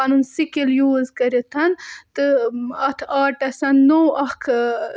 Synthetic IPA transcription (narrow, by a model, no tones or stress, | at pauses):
ɐnunsikiljuːzkɐɾet̪ʰɐnt̪ɨɐt̪ʰaːʈɐsɐnnowɐkʰ